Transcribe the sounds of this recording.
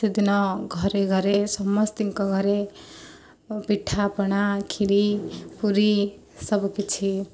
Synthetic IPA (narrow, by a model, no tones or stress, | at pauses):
id̪inʌɡʱʌɾeɡʱʌɾesʌmːʌst̪iŋkʌɡʱʌɾe | piʈʰːapʌnakʰiɾipuɾi | sʌbkit͡sʰi